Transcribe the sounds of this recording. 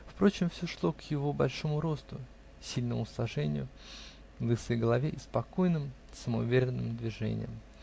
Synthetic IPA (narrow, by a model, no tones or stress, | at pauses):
fpɾo̞t͡ɕɪmfsʲo̞ʂlˠo̞kjɪvobɐlʲʂo̞mʊɾo̞st̪ʊ | sʲilʲnəmʊslˠɐʐɛnʲɪ̰jʊ | ɡ̪ˠɨsɨjɡəlˠɐvʲeʔɪspɐko̞jnɨm | səməʊ̰vʲeɾʲɪnːɨmd̪vʲɪʐɛ̰nʲɪ̰jəm